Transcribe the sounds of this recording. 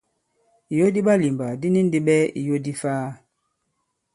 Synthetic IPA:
i˨jo˦di˦ɓa˦li˨mba˨di˦ni˦n˦di˦ɓɛ˦ḭ˨jo˦di˦faː˦

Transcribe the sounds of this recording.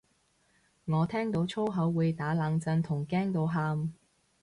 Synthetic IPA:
ŋɔː˨˧t̪ʰɛː˥ŋt̪o˨˥wt͡ʃʰo˥wɦɐ˨˥wːuː˨˧jt̪aː˨˥laː˨˧ŋt͡sɐ˧nt̪ʰʊ˨˩ŋkɛː˥ŋt̪o˨˧wɦaː˧m

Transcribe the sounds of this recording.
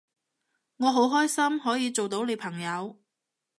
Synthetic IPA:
ŋɔː˨˧ɦo˨˥wɦɔː˥jsɐ˥mhɔː˨˥jiː˨˧t͡so˨wt̪o˨˥wne˨˧jpʰɐ˨˩ŋjɐ˨˧w

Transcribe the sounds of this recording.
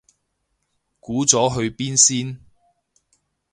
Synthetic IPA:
kuː˨˥t͡sɔː˨˥ɦɵ˧ɥpiː˥nsiː˥n

